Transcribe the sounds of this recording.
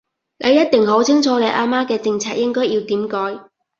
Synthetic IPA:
le˨˧jɐ˥t̚t̪ɪ˨˩ŋɦo˨˥wt͡sʰɪ˥ŋt͡sʰɔː˨˧le˨˧ʔaː˧maː˥kɛː˧t͡sɪ˧ŋt͡sʰaː˧t̚jɪ˥ŋkɔː˥jiː˧wt̪iː˨˥mkɔː˨˥j

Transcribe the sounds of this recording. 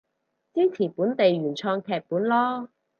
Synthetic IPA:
t͡siː˥nt͡sʰiː˨˩puː˨˥nt̪e˨jɥyː˨˩nt͡sʰɔː˧ŋkʰɛː˧k̚puː˨˥nlɔː˥

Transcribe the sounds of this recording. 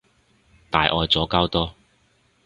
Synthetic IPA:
t̪aː˨˧jʔɔː˨˧jt͡sɔː˨˥kaː˥wt̪ɔː˥

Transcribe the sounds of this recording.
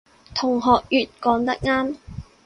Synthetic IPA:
t̪ʰʊ˨˩ŋɦɔː˨k̚jyː˨t̚kɔː˨˥ŋt̪ɐ˥k̚ŋaː˥m

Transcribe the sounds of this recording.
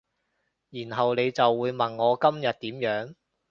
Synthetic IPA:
jiː˨˩nɦɐ˨wne˨˧jt͡sɐ˨wːuː˨˧jmɐ˨˩nːɔː˨˧kɐ˥mjɐ˨t̪̚t̪iː˨˥mjœː˨˥ŋ

